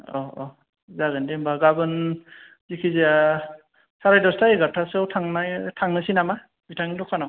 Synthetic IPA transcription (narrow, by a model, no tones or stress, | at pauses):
ɔɔ | zaɡɯndimbaɡabɯn | zikʰizija | saɾajdɔstajɡatʰasawtʰaŋnajtʰaŋnɯsinama | b̥itʰaŋidɔkʰanam